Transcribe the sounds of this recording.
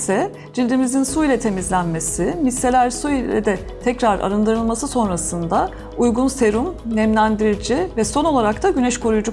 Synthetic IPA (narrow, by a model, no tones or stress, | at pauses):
sɛ | d͡ʒilʲd̪imizinsuilʲɛt̪ʰe̞mizlʲænme̞sɪmisːe̞lʲæɾsuilʲɛ̰d̪ɛ | t̪ʰɛcɾaɾa̰ɾɯnd̪ɯɾɯlˠmasɯso̞nɾasɯnd̪a | ujɡunse̞ɾumnɛmlʲænd̪iɾid͡ʒivɛso̞no̞lˠaɾakt̪ʰaɟynɛʃkʰo̞ɾujud͡ʒu